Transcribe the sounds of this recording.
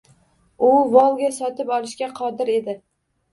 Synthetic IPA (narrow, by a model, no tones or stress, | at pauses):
ʊvɒlˠɡʲasɒt̪ɪpɒlˠɪʃkʲaqʰɒd̪ɪɾe̞d̪ɪ